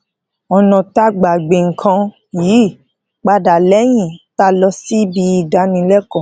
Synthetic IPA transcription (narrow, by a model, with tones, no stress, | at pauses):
ɔ˧nɔ̃˨ta˦ɡ͡ba˨ɡ͡be˨ŋ̩˨kʰã˧ | jiː˨˦˨ | k͡pa˧da˨lɛ˨˦j̃ĩ˦˨ta˦lɔ˧si˦bi˧i˧da˨˦nĩ˧lɛ˦kɔ̃˦˨